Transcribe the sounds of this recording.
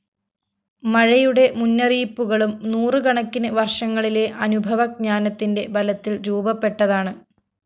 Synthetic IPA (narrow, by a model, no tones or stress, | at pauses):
mɐɻɐjuɽe̞munːɐriːpːuɣɐɭumnuːrɨkɐɳɐkːinɨʋɐrʂɐŋːɐɭile̞ʔɐnubʱɐʋɐk̚ɲaːnɐt̪ːinde̞bɐlɐt̪ːilɾuːbɐpːe̞ʈːɐðaːɳɨ